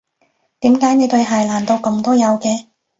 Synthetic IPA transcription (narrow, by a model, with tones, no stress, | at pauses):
t̪iː˨˥mkaː˨˥jne˨˧jt̪ɵ˧ɥɦɐ˨jlaː˨˩nt̪o˧wkʊ˧ŋt̪ɔː˥jɐ˨˧wkɛː˧